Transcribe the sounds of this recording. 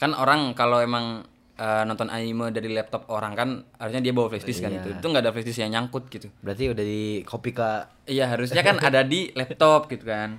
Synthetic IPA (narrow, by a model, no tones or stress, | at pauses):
kanoɾaŋkaloemaŋ | ənɔ̃nt̪ɔnʔanimədaɾilɛp̚t̪ɔp̚oɾaŋkanhaɾusɲadiabawaflɛst̪ɪskanɡit̪ut̪uŋɡaːdaflɛst̪ɪsjaŋɲaŋkʊt̪̚ɡit̪ubəɾat̪iudahdikʰopika | ijaɦaɾus̬ɲakanadadilɛp̚t̪ɔp̚ɡit̪ukan